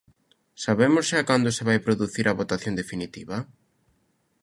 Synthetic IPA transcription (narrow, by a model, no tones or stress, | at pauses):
saβemʊsʃakand̪ʊseβajpɾoðuθiɾʔaβot̪aθjõnd̪efinit̪iβɐ